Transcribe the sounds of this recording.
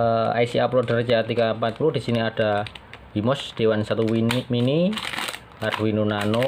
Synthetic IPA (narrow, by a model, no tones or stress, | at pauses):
a̰jsiaplodard͡ʒat̪iɡapat̪̚pulud̥isiniad̥abimɔsd̥ewansat̪umini | arwinunano